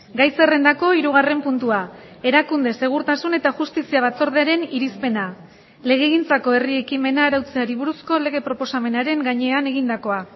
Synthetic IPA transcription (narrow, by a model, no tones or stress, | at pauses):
ɡajsere̞nd̪ako̞iɾuɣ̞are̞mpunt̪ua | e̞ɾakund̪e̞se̞ɣ̞uɾt̪asune̞t̪aʝust̪isiaβ̞at͡so̞ɾð̞eaɾe̞niɾispe̞na | le̞ɣ̞e̞ːɣint͡sako̞e̞rie̞kime̞naːɾawt͡seaɾiβuɾusko̞le̞ɣ̞e̞pɾo̞po̞same̞naɾe̞ŋɡaɲe̞ane̞ɣ̞ind̪ako̞a